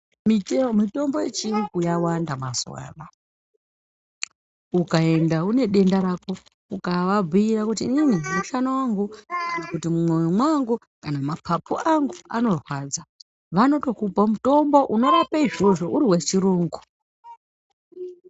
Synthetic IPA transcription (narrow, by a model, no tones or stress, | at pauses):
mimito̞mbo̞jet͡ʃirikujawandamaswa̰ːra | ukae̞ndaune̞ɗe̞ndaɾako̞ | ukaʋab͡vʱiiɾakutiːninimuʃanowaŋɡukiikutimumwewemwaŋɡu | kanamapʰapʰuʔaŋɡua̰no̞rwaːd͡za | ʋano̞to̞kupamuto̞mbo̞ʔuno̞ɾapaiʐo̞ʐo̞ʔuɾiɦwe̞t͡ʃiɾuːŋɡu